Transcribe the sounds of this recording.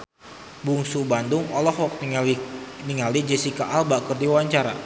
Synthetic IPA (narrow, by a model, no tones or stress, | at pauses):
buŋsubandʊŋɔlɔhwak̚t̪ | niŋalid͡ʒɛsikaʔalbakərdiwaɲt͡ʃaɾa